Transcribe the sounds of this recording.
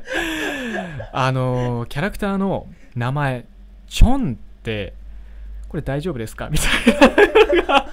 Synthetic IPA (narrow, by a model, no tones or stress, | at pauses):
ano̞kʲaɾakɯ̟̥t̪aːno̞ | namae̞ | t͡ɕõ̞nt̪ːe̞ | ko̞ɾe̞d̪aiʑoːbɯ̟d̪e̞sɨ̥ka̰mʲit̪ainɡa